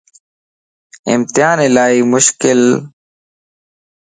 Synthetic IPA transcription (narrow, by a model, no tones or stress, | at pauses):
ɪ̰mt̪ɪɦaːnɪlaːiːmʊʃkɪl